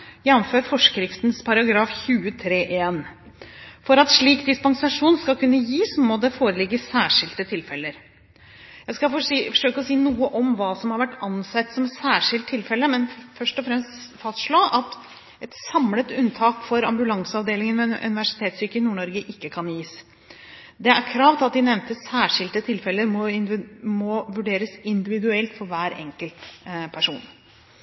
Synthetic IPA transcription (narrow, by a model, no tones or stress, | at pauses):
jæɑnføːɾfɔʂkɾɪft̪nspʰɑɾɑɡɾɑːfçʉːət̪ʰɾeːʔeːn | fɔɾɑt̪ʂɭiːkd̪ɪspɑŋsɑʂuːnskɑkʰʉnːəjiːsmɔd̪ɛfoːɾəlɪɡːəsæːʂɪlt̪ət̪ʰɪlfɛləɾ | jæskɑfɔfɔʂøːkəɔsiːnuːəʔɔmʋɑːsɔmhɑɾʋæʈːɑnsɛt̪ːsɔmɛsæːʂɪlt̪ʰːɪlfɛlːəmɛnfœʂʈɔfɾɛmst̪fɑst̪ʂɭoːʔɑt̪ | ʔɛt̪sɑmlət̪ʉnt̪ʰɑːkfɔɾɑ̰mbʉlɑŋsəɑʋd̪eːlɪŋənmɛʔʉ̰nɪʋæʂɪ̥t̪ʰeːt̪syːkəɪnuːɳɔɾɡəʔɪkːəkʰɑnjiːs | d̪ɛæɾkʰɾɑːʋt̪ɪɑt̪̚d̪ɪnɛʋnt̪əsæːʂɪlt̪ət̪ʰɪlfɛlːəɾmɔmɔʋʉɖeːɾəsɪnd̪ɪʋɪd̪ʉɛlt̪fɔɾʋæːɾɛ̰ŋkəlt̪pʰæʂuːn